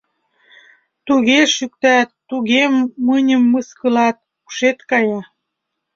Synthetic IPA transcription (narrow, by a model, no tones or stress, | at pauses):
t̪uɣeʃyk̚t̪æt̪ːuɣemːənʲəmːəskəlɑt̪̚ | u̥ʃet̪kɑjɑ